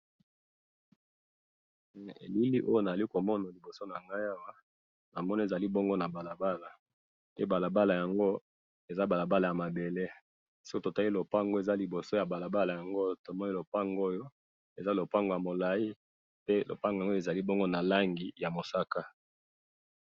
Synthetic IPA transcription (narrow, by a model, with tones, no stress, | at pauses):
ḛ˨li˦li˦ʔo˦jo˦na˨za˨li˦ko˨mɔ˦na˨li˨bo˨so˦na˨ŋɡa˦ja˦wa˦ | na˨mɔ˦n˦e˨za˨li˦bɔ˦ŋɡo˦na˨ba˨la˨ba˦la˨ | pe˦ba˨la˨ba˦la˨ja˨ŋɡo˦ | e˨za˦ba˨la˨ba˦la˨ja˨ma˨be˨le˦ | so̥˦ko˦to˨ta˦li˦lo˨pa˦ŋɡo˦e˨za˦li˨bo˨so˦ja˨ba˨la˨ba˦la˨ja˨ŋɡo˦to˨mɔ˦ni˦lo˨pa˦ŋɡo˦jo˦ | e˨za˦lo˨pa˦ŋɡo˨ja˨mo˨la˨i˦ | pe˦lo̰˨pa˦ŋɡŋɡo˦e˨za˨li˦bɔ˦ŋɡo˦na˨la˦ŋɡi˨ja˨mo˨sa˦ka˦